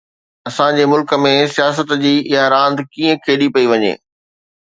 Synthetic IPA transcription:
ɐsãd͡ʑeːmʊlkə̆mẽsijaːs̬ət̪d͡ʑiːʔɪaɾãːnd̪kĩːə̃kʰeːɗipɐiʋɐɲḛː

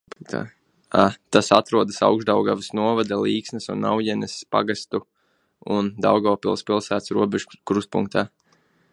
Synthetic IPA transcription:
t̪a̰ | at̪asat̪ɾuɔd̪əsa̰wɡʒd̪awɡaʋəsnuɔvad̪alˠiːksnəsunːa̰wjɛnɛspa̰ɡast̪u | und̪a̰wɡavpilˠspilˠsæːt̪sɾuɔbeʒukɾust̪̚pṵŋkt̪aː

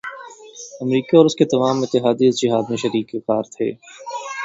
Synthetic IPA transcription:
ɐmɾiːkaɔːɾʊsket̪ɐmaːmɪt̪ːɪɦaːd̪iɪzd͡ʒɪɦaːd̪mẽʃɐɾiːkɪkaːɾt̪ʰḛː

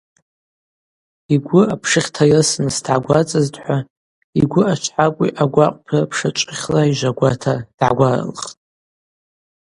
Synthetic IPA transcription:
iɡʷʊapʰʂɨχʲtʰajasnsdʕaɡʷat͡sʼaztʼħʷa | ḭɡʷʊat͡ʃʷʰħakʷʼiʔaɡʷaqʼpʰɨpʰʂat͡ʃʷʼχʲlaiʒʷaɡʷatʰad̥ʕaɡʷara̰lχtʼ

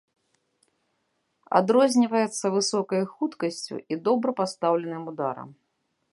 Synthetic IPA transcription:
a̰d̪ɾɔzʲnʲivɐjɛt̪sːɐvɨsɔkɐjxut̪kɐsʲt͡sʲṵʔid̪ɔbɾɐpast̪awlʲɛnɨjmud̪aɾɐ̰m

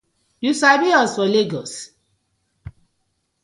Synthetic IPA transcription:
jusabiɔsfɔleɡɔs

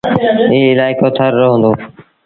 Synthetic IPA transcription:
iːɪlaːɪkoːt̪ʰəɾːoɦʊ̃ːnd̪oː

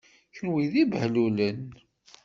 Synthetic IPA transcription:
çənwiðibhlulən

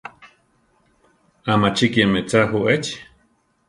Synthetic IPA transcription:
amat͡ʃikjemet͡saɦuʔet͡ʃ

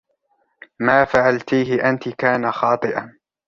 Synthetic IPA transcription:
maːfaʕalt̪iːɦɪʔant̪ɪkaːnaxɑːt̪ˤɨʔan

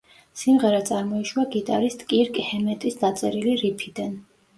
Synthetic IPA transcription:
simʁɛɾat̪sʼaɾmɔiʃwaɡit̪ʼaɾist̪ʼkʼiɾkʼhɛmɛt̪ʼisd̪at̪sʼɛɾiliɾipʰid̪an

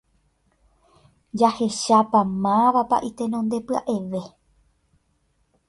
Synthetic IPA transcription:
d͡ʒahe̞ʃapamãʋapa̰ʔit̪e̞nõnd̪e̞pɨa̰ʔe̞ʋe̞

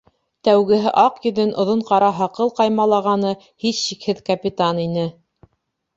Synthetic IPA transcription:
t̪æwɡɘ̆ɦɘʔɑqjɵ̆ðɘnʔŏðoɴqɑɾɑɦɑqɤlˠqɑjmɑlˠɑʁɑnɤ | hisːikhɘðkɐpʲit̪aninɘ

